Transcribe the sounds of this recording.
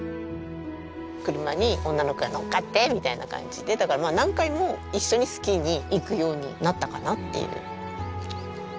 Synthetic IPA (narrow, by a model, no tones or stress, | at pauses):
kɯ̟ɾɯ̟maɲ̟iõ̞nːanokɯ̟ɡanokːat̪ːe̞mʲit̪aina̰kã̰ɲ̟d͡ʑid̪e̞d̪akaɾamaːnãŋkaimo̞ | iɕːo̞ɲ̟isɨ̥kʲiɲ̟iːkɯ̟jo̞ːɲ̟ḭnat̪ːakanat̪ːe̞̰jɯ̰